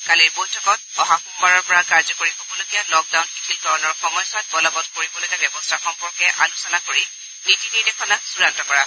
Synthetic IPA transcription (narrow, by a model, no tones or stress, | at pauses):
kaliɹbojtʰɔkɔt̚ɔɦaxumbaɹɔɹpɔɹakaɹzɔkoɹixɔkɔloɡijalɔk̚dawnxitʰildʱɔɹɔnɔɹxɔmɔjsat̚bɔlɔbɔtkoɹibɔlojkɛbɛbɔstʰaxɔmpɔɹkɛʔa̰nusɔnakoɹi | nitiniɹnɛkʰɔnasuɹantɔkɔɹa